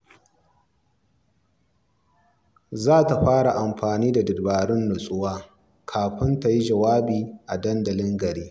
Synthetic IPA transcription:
zaː˦ta˨ɸaː˦ɽa˨ʔa˨mɸaː˨niː˦da˨dɪ˨dbaː˨ɽɪ˦nːʊ˨sʼʊ˦waː˦ | kʰaː˨ɸɪ˦nta˨ji˦d͡ʒɐ˨waː˦biː˨ʔa˨dɐ˦ndɐ˨lɪ˦ŋɡɐ˨ɽiː˦

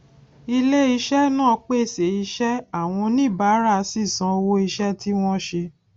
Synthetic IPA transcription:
i˧le˦i˧ʃɛ˦nãː˦˨˧k͡pe˦˨se˨i˧ʃɛ˦a˦˨w̃ɔ̃˧nĩ˦˨ba˨˦ɾa˦˧si˦˨sã˨˦o˧wo˦i˧ʃɛ˦ti˦w̃ɔ̃˦ʃe˧

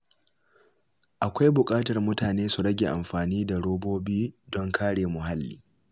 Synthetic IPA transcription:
ʔa˨kʷa˦jbʊ˨kʼaː˦tɐ˨rmʊ˦taː˨neː˦su˨ɾɐ˦ɡʲḛ˨ʔa˨mɸaː˨niː˦da˨ɽoː˦boː˦biː˦dɔ˦ŋkʰaː˦ɽeː˨mʊ˨ɦa˦lːḭː˦

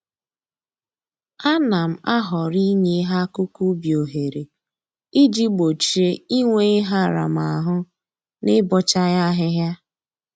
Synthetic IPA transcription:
a˦na˨m̩˨a˦ɦɔ˨ɾi˦ɲe˦ɦa˦kʊ˦ku˦bjo˨ɦe˨ɾe˨ | i˦d͡ʒi˦ɡ͡bo˨t͡ʃi˨e˦i˦ŋʷe˦ɪ˦ɦa˦˨ɾa̰˨ma˨ɦʊ˦ | nɪ˦bɔ˦t͡ʃa˦ja˦ɦɪ˦ɦja˦

